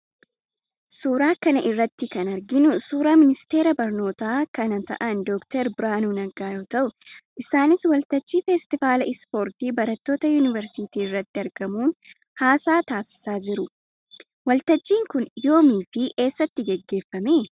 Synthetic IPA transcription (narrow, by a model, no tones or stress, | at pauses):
suːɾaːkɐnɐʔɪrːɐt̪ːɪkɐnɐɾɡɪnʊsuːɾaːmɪnɪst̪e̞ːɾɐbɐɾno̞ːt̪aːkɐnɐt̪ɐ̰ʔɐnd̪ɔːkt̪ɛɾbɪɾaːnuːnɐɡaːjo̞ːt̪ɐʔʊʔɪsaːnɪswɐlt̪ɐd͡ʒːiːfɛst̪ɪfaːlɐɪspo̞ːɾt̪iːbɐɾɐt̪ːo̞ːt̪ɐjuːnɪvɛɾsɪt̪iːɪrːɐt̪ːɪɐɾɡɐmuːn | haːsaːt̪aːsɪ̥saːd͡ʒɪɾʊ | wɐlt̪ɐd͡ʒːiːŋkʊnjo̞ːmiːfɪʔe̞ːsːɐt̪ːɪɡɛɡːe̞ːfːɐmeː